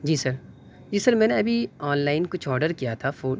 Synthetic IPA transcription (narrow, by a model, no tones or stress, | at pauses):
d͡ʒiːsɐɾ | d͡ʒiːsɐɾmɛ̃ːneɐbʱiɔːnlaːɪnkʊt͡ʃʰɔːɾɖəɾkijat̪ʰafoː